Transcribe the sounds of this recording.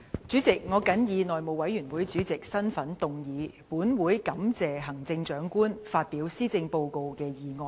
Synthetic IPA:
t͡syː˨˥t͡sɪ˨k̚ŋɔː˨˧kɐ˨˥njiː˨˧nɔː˨jmo˨˩wɐ˨˥jyː˨˩nwu˨˥jt͡ʃyː˨˥t͡sɪ˨k̚sɐ˥nfɐ˨˥nt̪ʊ˨˧ŋjiː˨˧ | puː˨˥nwuː˨˥jkɐ˨˧mt͡sɛː˨ɦɐ˨˩ŋt͡sɪ˧ŋt͡ʃœː˨˥ŋkuː˥nfaː˧t̚piː˨˥wsiː˥t͡sɪ˧ŋpo˧wko˧wkɛː˧jiː˨˩ŋɔː˧

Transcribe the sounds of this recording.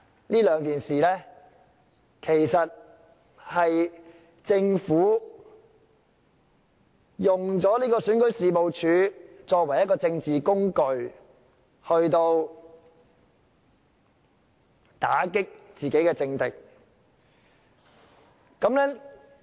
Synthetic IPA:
niː˥lœː˨˥ŋkiː˨nsiː˨lɛː˥ | kʰe˨˩jsɐ˨t̚ | hɐ˨j | t͡sɪ˧ŋfuː˨˥ | jʊ˨ŋt͡sɔː˨˥liː˥kɔː˧syː˨˥nkɵ˨˥ɥsiː˨mo˨wt͡ʃʰyː˨˥t͡ʃɔː˧k̚wɐ˨˩jɐ˥kɔː˧t͡sɪ˧ŋt͡siː˨kʊ˥ŋkɵ˧ɥ | hɵ˧ɥt̪o˧w | t̪a̰ː˨˥kɪ˥k̚t͡siː˨ke˨˥jkɛː˧t͡sɪ˧ŋt̪ɪ˨k̚ | kɐ˨˥mlɛː˥

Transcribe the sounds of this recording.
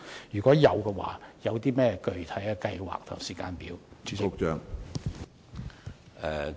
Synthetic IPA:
jyː˨˩kɔː˨˥jɐ˨˧wkɛ˧wa̰ː˨˥jɐ˨˧wt̪iː˥mɛː˥kɵ˧ɥt̪ʰɐ˨˥ja˧kɐ˧jwa̰ː˨k̚t̪ʰʊ̰˨˩ŋsiː˨˩kaː˧npiː˨˥wo˥t͡ʃœː˧ŋ | ɛ˨˧

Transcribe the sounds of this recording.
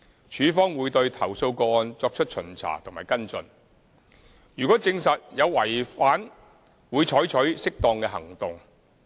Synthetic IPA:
t͡ʃʰyː˨˥fɔː˥ŋwuː˨˧jt̪ɵ˧ɥt̪ʰɐ˨˩wso˧wkɔː˧ɔː˧nt͡sɔː˧k̚t͡ʃʰɵ˥t̚t͡ʃʰɵ˨˩nt͡sʰa̰ː˨˩t̪ʰʊ˨˩ŋmaː˨˩jkɐ˥nt͡sɵ̰˧n | jyː˨kɔː˨˥t͡sɪ˧ŋsɐ˨t̚jɐ˨˧wwɐ˨˩jfaː˨˥n | wuː˨˧jt͡ʃʰɔː˨˥jt͡ʃʰɵ˨˥ɥsɪ˥k̚t̪ɔː˧ŋkɛː˧ɦɐ˨˩ŋt̪ʊ˨ŋ

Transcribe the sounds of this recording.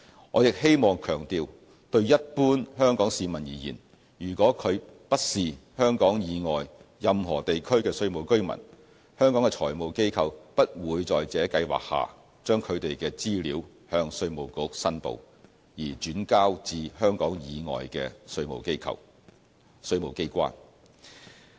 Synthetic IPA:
ŋɔː˨˧jɪ˨k̚ɦe˥jmɔː˨ŋkʰœː˨˩ŋt̪iː˨˧w | t̪ɵ˧ɥjɐ˥t̚puː˥nhœː˥ŋkɔː˨˥ŋsiː˨˧mɐ˨˩njiː˨˩jiː˨˩n | jyː˨˩kɔː˨˥kʰɵ˨˧ɥpɐ˥t̚siː˨hœː˥ŋkɔː˨˥ŋjiː˨˧ŋɔː˨jjɐ˨mɦɔː˨˩t̪e˨jkʰɵ˥ɥkɛː˧sɵ˧ɥmo˨wkɵ˥ɥmɐ̰˨˩n | hœː˥ŋkɔː˨˥ŋɛ˧t͡ʃʰɔ̰ː˨˩jmo˨wke˥jkʰɐ˧wpɐ˥t̚wuː˨˧jt͡sɔː˨jt͡sɛː˨˥kɐ˧jwa̰ː˨˩k̚ha̰ː˨˩ | t͡ʃœː˥ŋkʰɵ˨˧ɥt̪e˨jkɛː˧t͡siː˥liː˨˧˥w | hœː˧ŋsɵ˧ɥmo˨˩wkʊ˧˥k̚sɐ˥npo̰˨w | jiː˨˩t͡ʃyː˨˥nkaː˥wt͡siː˧ɦœː˥ŋkɔː˨˥ŋjiː˨˧ŋɔ̰ː˨jkɛː˧sɵ˧ɥmo̰˨˩wke˥kʰɐ̰˨w | sɵ˧ɥmo˨˩wke˥jkʷa̰ː˥n

